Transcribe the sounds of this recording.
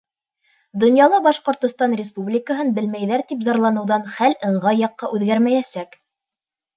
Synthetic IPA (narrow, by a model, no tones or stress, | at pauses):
d̪ŏnjɑlˠɑbɑʃqŏɾt̪ŏst̪ɑnrʲɪspublʲɪkəɦɤnbɘ̆lmæjðæɾt̪ipzɑɾlˠɑnɤ̆wðɑnχælɤ̆ɴʁɑjɑqːɑʔʉðɡæɾmæjæsæk